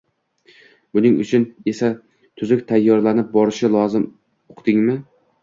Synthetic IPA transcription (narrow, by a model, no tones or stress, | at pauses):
bʊnɪŋʊ̰t͡ʃʰʊne̞sa | t̪ʰʊzʊkʲt̪ʰajːɒɾlanɪp̚bɒɾɪʃɪlˠɒzɪm | oqʰd̪ɪŋmɪ